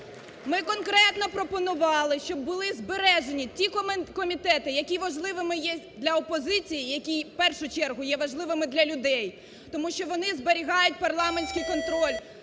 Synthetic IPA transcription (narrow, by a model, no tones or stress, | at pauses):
mɪkɔnkɾɛt̪nɔpɾɔpɔnʊʋɑlˠɪʃt͡ʃɔb̚ːʊlˠɪzbeɾɛʒenʲitʲikɔmʲit̪ɛt̪ɪjɐkʲiʋɐʒlˠɪʋɪmɪjɛd̪lʲɐɔpɔzɪt͡sʲijijɐkʲijpɛrʃʊt͡ʃɛrɦʊjɛʋɐʒlˠɪʋɪmɪd̪lʲɐlʲʊd̪ɛj | t̪ɔmuʃʲt͡ʃɔʋɔnɪzbeɾʲiɦɑjʊt̚ʲpɐrlˠɑmenʲsʲkɪjkɔnt̪ɾɔlʲ